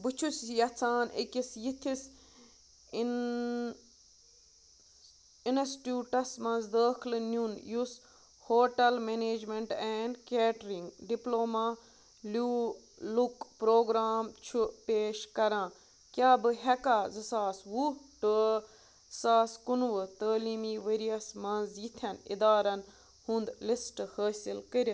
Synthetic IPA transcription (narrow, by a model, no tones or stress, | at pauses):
bɨt͡ʃʰusjɐt͡sʰaːnikʲisjit̪ʰis | in | inɐsʈjuːʈɐsmɐ̃nzd̪əːkʰlɨnunjus | hoːʈɐlmeneːd͡ʒmeɳʈɛːɳɖkeːʈɾĩŋɡɖiploːmaː | luː | lukpɾoːɡɾaːmt͡ʃʰupeːʃkɐɾãː | kjaːbɨɦekaːzɨsaːsʋuʈə | saːskunʋɨt̪əːliːmiʋeːɾiɐsmɐnzjit̪ʰjɐnḭd̪aːɾɐn | hũnd̪lisʈhəːsilkəɾʲ